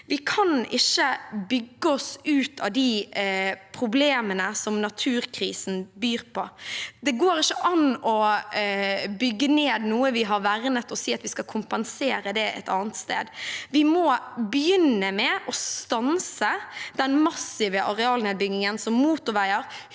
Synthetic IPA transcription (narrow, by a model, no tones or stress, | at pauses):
ʋɪkʰɑnɪʃːəbʏɡːəɔsʉːt̪ʰɑ̰ʋd̪i | pʰɾʊbleːmənəsɔmnɑt̪ʰʉːɾkʰɾiːsn̩byːɾpʰɔd̪ɛɡoːɾɪçːəʔɑnɔ | bʏɡːəneːd̪nuːəʋɪɦɑɾʋæɾnət̪ɔsiːɑt̪ʋɪskɑkʰʊmpɛnseːɾəd̪ɛʔɛ̰t̪ɑ̰ːnət̪st̪ḛːd̪ʋɪmɔbəjʏnːəmɛʔɔst̪ɑnsəd̪̥ɛnmɑsɪʋəʔɑɾɛɑːlneːd̪̚bʏɡnɪŋənsɔmmuːt̪ʊʋæɪəɾ